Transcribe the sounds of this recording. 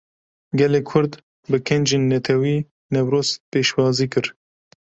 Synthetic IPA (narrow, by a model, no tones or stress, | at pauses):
ɡɛleːkʰʊɾd̪ | bɨkʰɛnd͡ʒeːnːɛt̪ʰɛwiː | nɛwɾoːspeːʃwɑːziːkɨɾ